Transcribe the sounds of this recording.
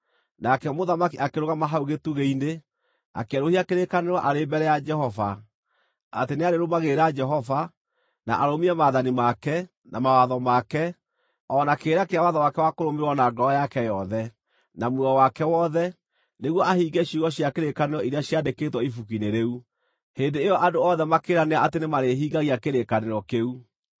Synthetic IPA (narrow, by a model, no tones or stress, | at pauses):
nakɛmoðamakiʔakeɾoɣamaɦauɣetuɣeine | a̰keaɾohiakeɾekaneɾwɔʔaɾembɛɾɛjad͡ʒɛhɔva̰ | a̰teneaɾeɾomaɣeɾad͡ʒɛɦɔva | na̰ʔaɾomiɛmaðanimakɛ | namawaðɔmakɛ | ɔːnakeːɾakeawaðɔwakɛwakoɾomeɾwɔnaɡɔɔjakɛjɔðɛ | namwɛɔwakɛwɔðɛ | neɣwɔʔahiɡɛɕuɣɔɕjakeɾekaneɾɔiɾeaɕjadeketwɔifukineɾeu | heːndeːjɔʔadoɔðɛmakeːɾaneaʔatenemaɾeɦiːɣaɣiakeɾekaneɾɔkeu